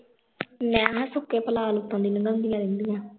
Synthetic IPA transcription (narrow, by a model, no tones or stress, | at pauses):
nɛ̃ːɦsʊkːeːpəlaːlʊt̪ːɔ̃ːd̪iːnəŋɡənd̪ijãːd̪ɪnd̪ijãː